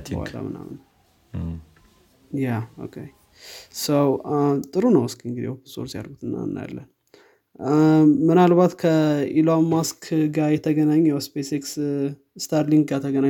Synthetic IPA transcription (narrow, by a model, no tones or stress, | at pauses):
a̰la̰mɨ̰na̰mn | jao̰kʰe | səwt̪ʼɨɾunəwskɨŋɡɨd̪ḭhopʰɨnsʼo̰ɾsija̰ɾɡut̪ʰɨnːa̰nːja̰lːən | mɨnalβat̪kʰəilamaskʰɡajɛt̪ʰəɡənaɲːjawspeseks | st̪ʰaɾliŋɡɡat̪ʰəɡəna